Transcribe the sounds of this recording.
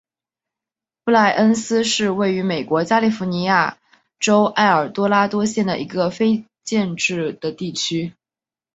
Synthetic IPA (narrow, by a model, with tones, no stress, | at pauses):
pu˥˧la˥˩ɪʔə˥nsɹ̩˥ʂɻ̩˥˧we˥˩ɪy˧˥me˨˩ɪkwɔ˧˥t͡ɕja˥li˥˩fu˧˥ni˧˥ja˥˩ | ʈ͡ʂo˥ʊʔa˥˩ɪə˞˨˩t̪wɔ˥la˥t̪wɔ˥ɕjɛ˥˩nd̪ə̰˩ʔḭ˧˥ɡə˧fe˥ɪ | t͡ɕjɛ˥˧nʈ͡ʂɻ̩˥˩d̪̥ə˩t̪i˥˩t͡ɕʰy˥